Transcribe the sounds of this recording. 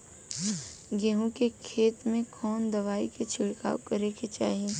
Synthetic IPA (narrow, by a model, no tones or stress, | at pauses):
ɡeɦũkekʰeːt̪mẽkʰɔːnd̪ɐʋaːiket͡ʃʰɪɽka̰ːwkɐɾeket͡ʃa̰ːɦiẽː